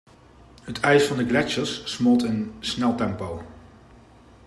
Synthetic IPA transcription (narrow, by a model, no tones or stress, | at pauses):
ɦətʰɛjsfɑndəɡlɛt͡ʃəsːmɔlˠtɪnsnɛlˠtɛmpow